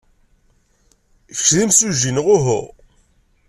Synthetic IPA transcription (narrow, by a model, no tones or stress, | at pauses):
çðimsuʒinʁʊɦʊ̰ʁ